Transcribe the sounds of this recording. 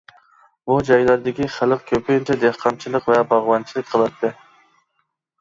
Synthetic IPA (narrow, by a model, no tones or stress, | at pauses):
bud͡ʒɑjlæɾd̪ɪkʲiχælˠɨq̚kʲʰøpʰɪjnt͡ʃʰɛd̪ehqʰɑmt͡ʃʰilˠɨqvɛbɑʁwɑnt͡ʃʰilˠɨk̚ʲqʰəlˠɑt̪ʰːɨ